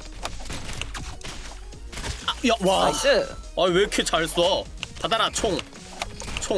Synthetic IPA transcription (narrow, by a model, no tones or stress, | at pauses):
ajawa | ajwekʰet͡ɕaɭs͈uʌpadaɾat͡ɕʰoŋ | t͡ɕʰo